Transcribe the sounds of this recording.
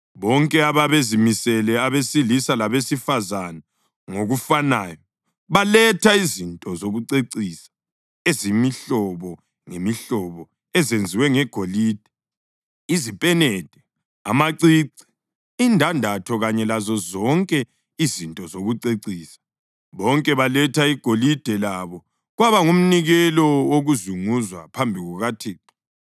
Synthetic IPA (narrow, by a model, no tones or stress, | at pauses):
βɔŋkʼɛaβaβezimisɛlɛaβesilisalaβesifazana | ŋoɣufanaːjɔ | βalɛtʰaizintʼɔzoɣuǀeǀisḁ | ezimiɬɔβɔ | ŋemiɬɔβɔ | ɛzend͡zʱiwɛŋɛɡ̥ʱoliːd̥ʱɛ | izipʼɛnɛd̥ʱɛ | a̰maǀiːǀi̥ | indʱandʱatʰɔɣaɲɛlazɔzɔŋkʼɛ | izintʼɔzoɣuǀeǀiːsḁ | βɔŋkʼɛβalɛtʰaiɡ̥ʱolid̥ʱɛlaβɔ | ɣwaβaŋum̩niɣɛlɔwoɣuzuŋuzwa̰pʰambʱiɣuɣatʰiːtu